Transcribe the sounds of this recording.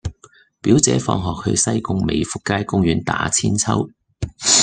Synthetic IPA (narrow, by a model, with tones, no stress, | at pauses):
piː˨˥wt͡sɛː˨˥fɔ̰ː˧ŋɦɔː˨k̚hɵ̰˧ɥsɐ˥jkʊ˥ŋme˨˧jfu˨kːaː˥jkʊ˥ŋjyː˨˧˥nt̪a̰ː˨˧˥t͡sʰiː˥nt͡sʰɐ̰˥w